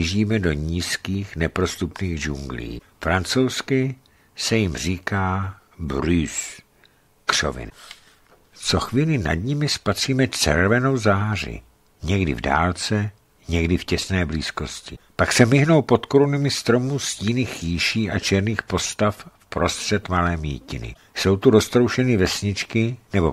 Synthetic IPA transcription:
ɪʒiːmɛdo̞ɲiːskiːxnɛpɾo̞st̪upniːɣd͡ʒuŋɡlḭː | fɾant͡so̞wskɪ | sɛjɪmr̝iːkaː | bɾus | kr̝̥o̰vɪ̰n | t͡so̞xviːlɪna̰dɲɪmɪspat̪r̝̥iːmɛt͡ʃɛ̰ɾvɛno̞wzaːr̝ɪ̰ | ɲɛɡdɪ̰vda̰ːlt͡sɛ | ɲɛɡdɪfcɛsnɛːbliːsko̞scɪpaksɛmɪɦno̞wpot̪koɾunɪmɪst̪ɾo̞musciːniːxjiʃiːʔat͡ʃɛɾniːxpo̞st̪affpɾo̞st̪r̥ɛt̪malɛːmḭːcɪnɪ̰ | so̞wt̪uɾost̪ɾo̞wʃɛnɪvɛsɲɪt͡ʃkɪnɛbo̞̰

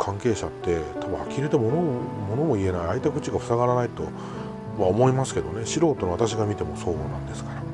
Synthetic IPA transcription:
kʰãŋke̞ːɕat̪ːe̞t̪ʰabaakʲiɾet̪emo̞nomo̞no̞mo̞ie̞naiait̪akɯ̟t͡ɕiɡaɸɯ̟̥saɣaɾanait̪o̞̰ | βaomo̞imasɨ̥ke̞d̪o̞ne̞ɕiɾo̞ːt̪o̞noat̪aɕiɡamʲit̪e̞mo̞so̞ːɡoːnãnd̪e̞sɨ̥kaɾa

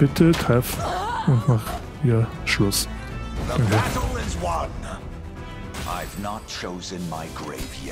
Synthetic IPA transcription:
b̥ɪtʰətʰʁɛfʊntnɔχ | iɐ | ʃlʊs | ðəabɾl̩ˠɪzwʌ̃n | ʔa̰ɪvnət̚t͡ʃʰoʊzɨ̃nmaɪɡɹḛɪvjɛ

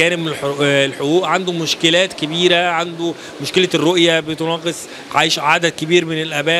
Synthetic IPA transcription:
æːnebmelħouːʔʕand̪omoʃkelæːt̪kebiːɾæʕand̪o | moʃkelærːoʔjæbet̪onɑːqesˤ | ʕa̰jʃʕad̪æd̪̚kebiːɾmenelʔæbæː

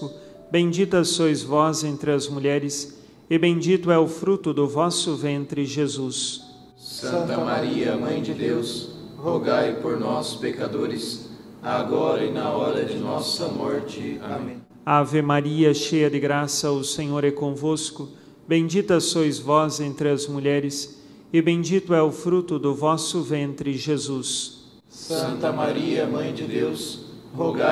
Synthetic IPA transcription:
ʊ | bẽj̃d͡ʒit̪ɐsojzvɔzẽnt̪ɾɪɐzmuʎɛɾɪs | ɪbẽd͡ʒit̪ʊɛʊfɾut̪ʊd̪ʊvɔsʊvẽnt̪ɾɪʒezus | sɐ̃t̪ɐmaɾiɐmɐ̃j̃d͡ʒd̪ewshoɡajpoɾnɔsʊ̥pekad̪oɾɪs | aɡɔɾɐɪnɐɔɾɐd͡ʒɪnɔsɐmɔɾt͡ʃɪa̰mẽ | avɪmaɾiɐʃejɐd̪ɪɡɾasɐʊsẽɲoɾɛkõvoskʊ | bẽd͡ʒit̪ɐsojzvɔzẽnt̪ɾɪɐzmuʎɛɾɪs | ɪbẽd͡ʒit̪ʊɛʊfɾut̪ʊd̪ʊvɔsʊvẽnt̪ɾɪʒezus | sɐ̃nt̪ɐmaɾiɐmɐ̃j̃d͡ʒɪd̪ewshoɡa

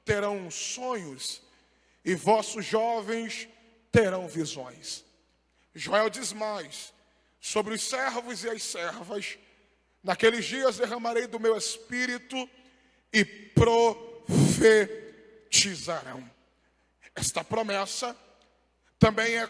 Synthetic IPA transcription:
t̪eɾɐ̃w̃sõɲʊs | ɪvɔsʊzʒɔvẽj̃s | t̪eɾɐ̃w̃vizõ̰j̃s | ʒoɛwd͡ʒizmajsː | obɾɪʊsɛɾvʊzɪɐssɛɾvɐs | nakelɪzd͡ʒiɐzd̪eɦɐ̃maɾejd̪ʊmewespiɾit̪ʊ | ɪpɾofe | t͡ʃizaɾɐ̃w̃ | ɛst̪ɐpɾomɛsɐ | t̪ɐ̃mbẽj̃ɛ

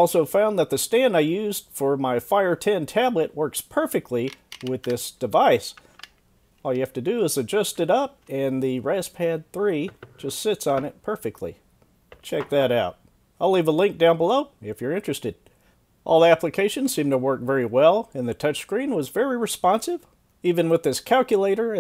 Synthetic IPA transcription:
ɔlˠsoʊfãʊ̃nðɨt̪̚ðɨstæ̃ndaɪjʉzd̥fə˞maɪfaɪə˞tʰɛ̃ntʰæblɨʔ̚wɜ˞kspʰɜ˞fɨk̚tʰˡliwɪðɪsd̥ɨvaɪs | ɔlˠjɨhæftɨdɨːzɨd͡ʒʌstɨɾʌp̚ɨ̃nðɨɹɛspʰæd̪̚θɹid͡ʒʌstsɪtsn̩ɪt̚pʰɜ˞fɨk̚tʰˡlḭ | t͡ʃʰɛk̚ðɨɾaʊt̚ | aɪlivəlɪ̃ŋk̚d̥ãʊ̃nbəloʊɪfjə˞ɪ̃nt͡ʃɹ̥ɨstɨd | ʔɔ̰lˠæpləkʰeɪʃɨ̃nz̥sĩmtʰəwɜ˞kvɛɹiwɛlˠɨ̃nðɨtʰʌt͡ʃskɹĩnwʌzvɛɹiɹɨspɑ̃nsɨv̥ | ivɨ̃nwɨðɪskʰælˠkjɨleɪɾə˞

